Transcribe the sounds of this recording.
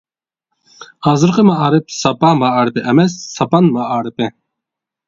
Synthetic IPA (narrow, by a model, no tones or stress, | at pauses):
hɑːzɨɾqəmɑɑːɾɨp̚sɑpɑmɑɑːɾɨpɪʔɛmɛsːɑpɑnmɑʔɑːɾɨpɪ